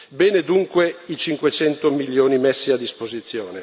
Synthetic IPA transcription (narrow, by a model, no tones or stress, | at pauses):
bɛːned̪uŋkweit͡ʃiŋkwet͡ʃɛnt̪omiljoːnimɛsːiad̪ːispozit̪sːjoːne